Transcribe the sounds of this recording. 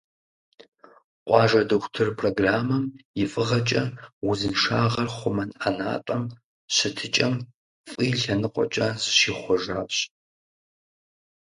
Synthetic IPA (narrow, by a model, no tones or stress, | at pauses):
qʷʼɑːʒɐdɨxʷtʰɨrpʰroɡraːmɐmjɪfʼɨʁɐt͡ʃʼɐwʊzɨnʂaːʁɐrχʷʊmɐnʔana̰ːtʼɐm | ɕɐtʰɨt͡ʃʼɐm | fʼiːɬɐnɨqʷʼɔ̰t͡ʃʼazʃiːχʷɔʒaːɕ